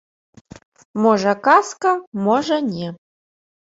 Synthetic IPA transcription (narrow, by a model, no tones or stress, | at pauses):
mɔʐɐkaskɐmɔʐɐnʲɛ